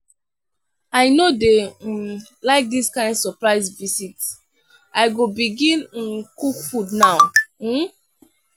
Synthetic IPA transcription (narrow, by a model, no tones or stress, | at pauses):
aɪnode | laɪk̚diskãɪ̃ndsɔpɹaɪsvisits | aɪɡobiɡĩnĩnkukfudnaʊ